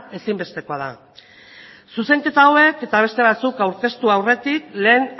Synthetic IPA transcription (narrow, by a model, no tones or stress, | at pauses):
e̞simbe̞st̪e̞ko̞aða | suse̞ŋke̞t̪awe̞ke̞t̪aβ̞e̞st̪e̞β̞at͡sukawɾke̞st̪uawre̞t̪ikle̞ːn